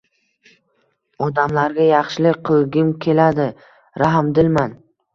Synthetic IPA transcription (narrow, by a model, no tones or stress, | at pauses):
ɒd̪amlaɾɡʲajɑχʃɪlɪqʰɨlˠɡʲɪmkʲʰe̞lad̪ɪ | ɾaɦmd̪ɪlman